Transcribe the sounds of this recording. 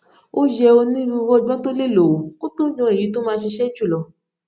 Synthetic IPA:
o˦jɛ˧o˧nĩ˦ɾu˧wɔ˧˨ɡ͡bɔ˦to˦le˦˨lo˨o˨ko˦tũ˦ɲɔ̃˨˧˦e˨ji˨˦to˦mãː˧˦˧ʃi˧ʃɛ˦d͡ʒu˦˨lɔ˨˧

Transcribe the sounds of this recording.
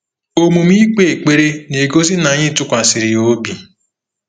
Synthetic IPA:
o˦mu˨mi˦k͡pe˦˨e˨k͡pe˦ɾe˦ne˨ɡo˦zi˦na˨˦ɲɪ˦tʊ˦kʷa˨si˨ɾi˨o˦bi˨

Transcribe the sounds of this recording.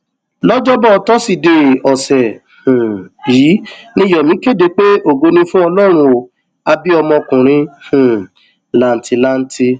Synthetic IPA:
lɔ˦d͡ʒɔ˦bɔ˦˨tɔ˦si˦˨de˧˨ɔ˨sɛ˨ | hũ˨jiː˨˦nĩ˦jɔ˨mĩ˨˦ke˦˨de˧˦k͡pe˦o˦˨ɡo˨˧˦nĩ˧fũ˦ɔ˧lɔ˦ɾ̃ũ˧˦o˨ | a˧bi˦ɔ˧mɔ̃˧kũ˨ɾ̃ĩ˧˦hũ˨ | la˨˦n̩˨˦tʰi˧la˦n̩˦tʰi˧

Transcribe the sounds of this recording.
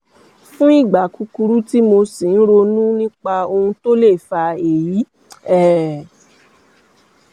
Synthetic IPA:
fũ˦i˦˨ɡ͡ba˨ku˨˧ku˧ɾu˦ti˦mo˧si˨n̩˦ɾo˧nũ˦nĩ˦k͡pa˧o˧hũ˧to˦le˦˨fa˧e˨ji˨˦ | ɛ˦˨

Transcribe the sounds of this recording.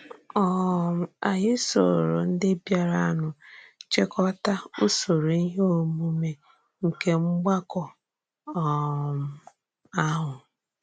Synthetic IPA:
ɔ˦˨m̩˨a˨ɦɪ˦so̰˨ɾo̰˨n̩˦dɪ˦bja˨ɾa˦˨a˦˨nʊ˨t͡ʃɪ˦kɔ˦ta˦u˦so˨ɾo˨i˦ɦo˦˨mu˦me˨ | ŋ̩˨ke˦ŋ͡m̩˦ɡ͡ba˦kɔ˨ | ɔ˨m̩˨ | a˦ɦʊ˨

